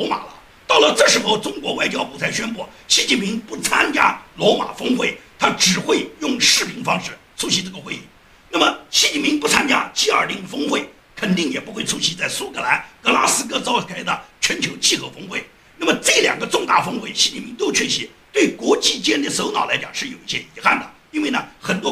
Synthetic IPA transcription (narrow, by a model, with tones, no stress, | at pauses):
lɔ˧˥ma̰˨˩lə̰˦ | t̪ɑ˥˩ʊlə˩ʈ͡ʂɤ˥˩ʂɻ̩˧˥xo˥˧ʊʈ͡ʂʊ˥ŋkwɔ˧˥wa˥˩ɪt͡ɕjɑ˥ʊpu˥˩t͡sʰa˧˥ɪɕɥɛ˥np̬u˥˩ɕi˧˥t͡ɕi˥˩pʰi˧˥ŋpu˥˩t͡sʰa˥nt͡ɕja̰˥lwɔ˧˥ma̰˨˩fɤ˥ŋxwe˥˩ɪt̪ʰa˥ʈ͡ʂɻ̩˨˩xwe˥˧ɪjʊ˥˧ŋʂɻ̩˥˩pʰi˧˥ŋfɑ˥ŋʂɻ̩˥˩ | t͡sʰu˥ɕi˧˥ʈ͡ʂɤ˥˩ɡə˩xwe˥˧ɪḭ˥˩ | na˥˩mə˩ɕi˧˥t͡ɕi˥˩nmpʰi˧˥ŋpu˥˩t͡sʰa˥nt͡ɕja̰˥t͡ɕi˥ə˞˨˩li˧˥˩ŋfɤ˥ŋxwe˥˩ɪ | kʰə˨˩nt̪i˥˩ŋjɛ˨˩pu˧˥xwe˥˧ɪʈ͡ʂʰu˥ɕi˧˥t͡sa˥˩ɪsu˥kʰɤ˧˩la˧˥nkɤ˧˥la˥sɹ̩˥kɤ˥t͡sɑ˥ʊkʰa˥ɪd̪ə˧t͡ɕʰɥɛ˧˥nt͡ɕʰjo˧˥ʊt͡ɕi˥˩xɤ˧˥fɤ˥ŋxwe˥˩ɪ | na˥˩mə˩ʈ͡ʂɤ˥˩ljɑ̰˨˩ŋɡə˦ʈ͡ʂʊ˥˧ŋt̪a˥˩fɤ˥ŋxwe˥˩ɪɕi˧˥t͡ɕi˥˩pʰi˧˥ŋt̪o˥ʊt͡ɕʰɛ˥˩ɕɛ˧˥t̪we˥˩ɪkwɔ˧˥t͡ɕi˥˩t͡ɕɛ˥nd̪ə˥˩so˧˥ʊnɑ˨˩la˧˥ɪt͡ɕjɑ˨˩ŋʂɻ̩˥˩jo˨˩ʊi˥˩ɕjɛ˥i˧˥xa˥˩nd̪ə˩ | i˥nwe˥˩ɪnə˩xə˨˩nt̪wɔ˥